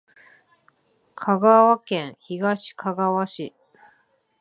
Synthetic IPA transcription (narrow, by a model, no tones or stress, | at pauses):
kʰaɡaβakẽ̞ɰ̃çiɡaɕi̥kʰaɡaβaɕi